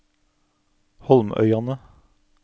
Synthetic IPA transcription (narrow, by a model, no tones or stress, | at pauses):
hɔlmʔœ̰ʏɑnə